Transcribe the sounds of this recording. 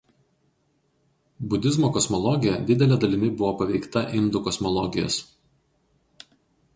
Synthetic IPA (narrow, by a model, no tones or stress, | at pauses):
bʊd̪ʲɪzmoːkɔsmɔlˠɔɡʲɪjɛd̪ʲɪd̪ʲɛlʲɛd̪ɐlʲɪmʲɪbʊʋoːpɐʋʲɛɪkt̪ɐʔɪnd̪ʊkɔsmɔlˠɔɡʲɪjo̰ːs